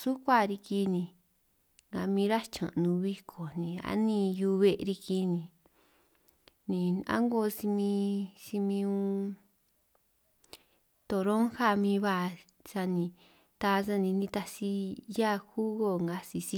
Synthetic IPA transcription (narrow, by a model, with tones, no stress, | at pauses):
su˦kʷa˦˨ɾi˧ki˧nĩ˧ | ŋɡa˧mĩ˧ɾa˦t͡ʃã̰˨˧nũ˧βi˧kʰo˨nĩ˨a̰˦nĩ˧ju˧βe˧ʔɾi˧ki˧nĩ˧ | nĩ˧a̰˦ŋɡo˧si˧mĩ˧si˧mĩ˧ũ˧ | t̪o˧˨ɾõ˦ŋxa˦˨mĩ˧βa˦˧˨ | sa˧nĩ˧ | t̪a˧s̬a˦˧nĩ˧nĩ˧t̪a˧si˧ja˦˨xu˦ɣo˧˨ŋɡa˧si˧si˧˦